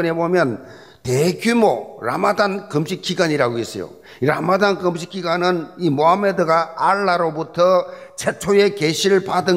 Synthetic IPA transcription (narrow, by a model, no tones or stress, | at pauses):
ɯnebomjʌn | teɡjumoɾa̰madankɯmɕʰik͈iɡwaɲiɾaɡoɦes͈ʌ̰jo̰ | iɾa̰madankɯmɕʰik͈iɡwanɯnimoɦamedɯɡaːɭːaɾobutʰʌt͡ɕʰet͡ɕʰoje̞keɕʰiɾɯɭpadɯ